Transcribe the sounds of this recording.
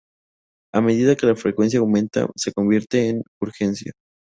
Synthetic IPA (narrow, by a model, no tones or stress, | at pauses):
ame̞ðiðake̞lafɾekwe̞ns̬jaːwmẽ̞nt̪a̰se̞ko̞mbje̞ɾt̪e̞ːn | uɾxe̞nsja̰